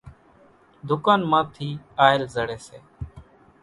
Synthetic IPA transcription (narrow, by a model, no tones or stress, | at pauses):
d̪ʱʊkaːnmãːt̪ʰiːaːɪlzəɽeːsḛː